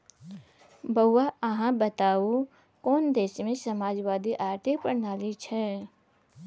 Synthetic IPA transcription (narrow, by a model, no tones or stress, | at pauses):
bəʊwaəɦãbət̪aːo | kɔːnd̪eːʃmẽsəmaːd͡ʒwaːd̪iʔaːɾt̪ʰipɾənaːlit͡ʃʰɛ